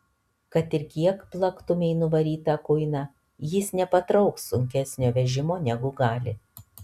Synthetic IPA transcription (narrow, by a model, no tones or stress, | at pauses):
kɐt̪ɪɾkʲiɛkplˠɐkt̪ʊmʲɛɪnʊʋɐɾʲiːt̪ɑkʊɪnɑ | jɪsnʲɛpɐt̪ɾɒʊksʊŋʲkʲæsʲnʲoːʋʲɛʒʲɪmoːnʲɛɡʊɡɑːlʲɪ